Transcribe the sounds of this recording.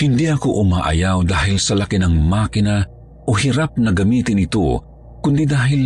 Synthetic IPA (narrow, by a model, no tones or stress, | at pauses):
hɪnd̪iʔɐkoʔʊma̰ːʔɐ̰jawd̪aːhɪlsɐlakɪnɐŋmaːkɪna | ʔohɪɾap̚nɐɡɐmiːt̪ɪnɪt̪o̰ | kʊnd̪id̪aːɦɪl